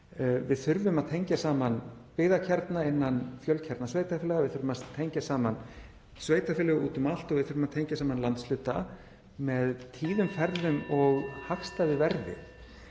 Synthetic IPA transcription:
vɪðθʏɾvʏmaðt̪ʰejɲcasaːmanpɪːðacʰɛɾt̪naɪnːanfjœlcʰɛɾt̪nasveːjt̪afɪlɛɣavɪðθʏɾvʏmat̪ʰejɲcasaːman | sveːjt̪afɪːlɛɣʏuːt̪ʏmal̥t̪ɔɣvɪðθʏɾvʏmaðt̪ʰejɲcasaːmanlant̪slʏːt̪a | mɛðt̪ʰiːðʏmfɛɾðʏmɔɣhaxst̪aðɪvɛɾðɪ̰

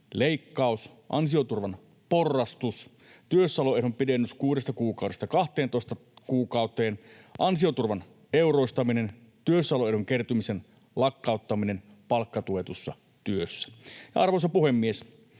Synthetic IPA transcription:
leikːɑus | ʔɑ̰nsiot̪urʋɑn | porːɑst̪us | t̪yøsːɑloehompidenːyskuːdest̪ɑkuːkɑˑudest̪ɑkɑht̪ˑeːnt̪oˑst̪ɑkuːkɑˑut̪eːn | ʔɑnsiot̪urʋɑn | ʔeuroˑist̪ɑminen | t̪yøsːɑloehuŋkert̪umisen | lɑkːɑˑut̪ːɑminen | pɑlkːɑt̪uet̪usːɑ̰ | t̪yøsːæ̥jɑ̰ɑrʋosɑpuhemːies

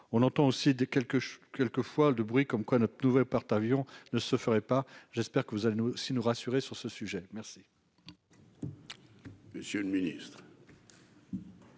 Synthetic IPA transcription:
ɔ̃nɑ̃t̪ɑ̃osid̪ekɛlkəʃkɛlkəfwad̪əbʁɥikɔmkwanɔt̪χənuvɛlpaʁt̪avjɔ̃nəsəfəʁɛpaʒɛspɛʁkəvuzalenuosinuʁasyʁesyʁsəsyʒɛmɛʁsi | məsjøləminḭst̪χ

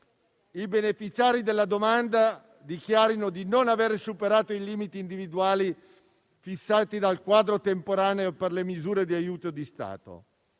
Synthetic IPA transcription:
ibenefit͡ʃaːɾid̪elːad̪omand̪a | d̪ikjaːɾinod̪inonaveɾsupeɾaːt̪oiliːmit̪iːnd̪ivid̪uaːli | fisːaːt̪id̪alkwaːd̪ɾot̪empoɾaːneoperlemizuːɾed̪iajuːt̪od̪ist̪a̰ːt̪o̰

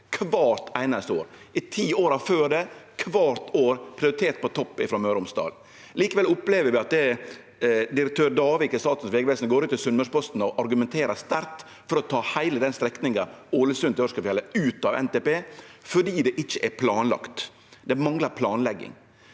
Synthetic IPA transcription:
kʰʋɑːɾt̪æɪnɑst̪oːɾɪt̪ʰiːoːɾɑføːɖɛkʰʋɑːɾt̪oːɾpʰɾɪʊɾɪt̪ʰeːt̪̚pɔt̪ʰɔpːɪfɾomøːɾʊmsd̪ɑ̰ːl | liːkəʋɛlʊpleːʋəɾʋɪɑt̪̚d̪ɛ | d̪ɪɾɛk̚t̪ʰøːɾdɑːʋɪkɪst̪ɑːt̪ʉn̩sʋeːɡʋɛːsnɡoːɾʉːt̪ːɪlsʉnməʂpɔst̪n̩ɔʔɑɾɡʉmɛnt̪ʰeːɾɑst̪æɾt̪ | fɔɾɔt̪ʰɑːhæɪləd̪ɛnst̪ɾɛknɪŋɑoːləsʉnt̪ɪɔʂkəfjɛləʉːt̪ɑʋɛ̰nt̪ɛpeːfɔɖiːd̪ɛʔɪt͡ʃːəʔæpʰlɑːnlɑ̰kt̪ | d̪ɛmɑŋləɾpʰlɑːnlɛɡːɪ̰ŋ

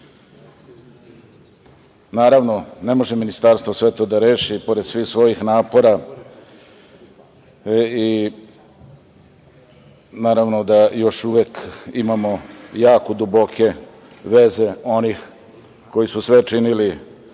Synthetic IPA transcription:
naːɾaʋno̞nemo̞ʒeminist̪aɾst̪ʋosʋe̞t̪od̪aɾe̞ːʃipo̞ɾed̪sʋiːxsʋo̞jixnaːpo̞ɾa | i | naːɾaʋno̞d̪ajo̞ʃuʋekimamo̞jaːkod̪ubo̞kʰe̞ | ʋe̞ze̞o̞nix | ko̞jisusʋet͡ʂinili

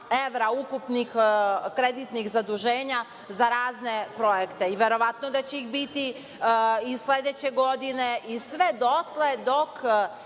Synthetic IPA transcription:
eʋɾaukupnixkɾed̪it̪nixzad̪uʒeːɲa | zaɾaːzne̞pɾo̞jekt̪e̞iʋe̞ɾo̞ʋat̪nod̪at͡ɕeixbit̪i | isled̪et͡ɕeɡo̞d̪ine̞ʔisʋed̪ot̪led̪o̞k

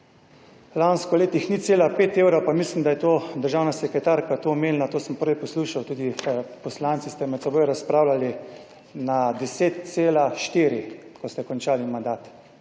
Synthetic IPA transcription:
lanskɔleːt̪ixnit̪seːlapeːt̪eːwɾowpamislimd̪ajɛt̪oːd̪əɾʒaːwnasɛkɾɛt̪aɾkat̪oːmeːlnat̪oːsəmpəɾʋjɛpɔsluːʃawt̪uːd̪ipɔslant̪sist̪ɛmɛt̪sɛboːjɾaspɾaːwlali | nad̪ɛseːt̪̚seːlaʃt̪eːɾikɔst̪ɛkɔnt͡ʃaːlimand̪aːt̪

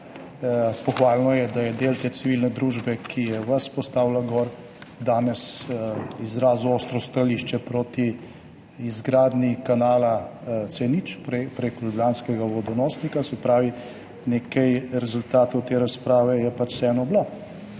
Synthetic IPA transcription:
pɔxʋaːlnɔjɛd̪ajɛd̪eːlt̪eːt̪siʋilnɛd̪ɾuʒbɛkʰijɛʋɐspɔst̪aːwlaɡɔɾ | d̪aːnɛs | izɾaːzuɔst̪ɾɔst̪ɾaliːʃt͡ʃɛpɾot̪i | izɡɾaːd̪nikanaːlat̪senit͡ʃpɾepɾeklublʲjanskɛɡaʋɔd̪ɔnɔːsnikasɛpɾaːʋi | neːkɐjɾɛzult̪aːt̪owt̪eːɾaspɾaːʋɛjɛpat͡ʃsɛːnɔblo

